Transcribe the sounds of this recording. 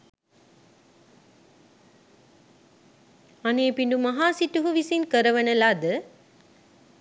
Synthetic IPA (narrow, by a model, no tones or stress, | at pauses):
ɐneːpiɳɖumɐɦaːsiʈːuɦuʋisinkɐɾɐʋɐnɐlaːd̪ɯ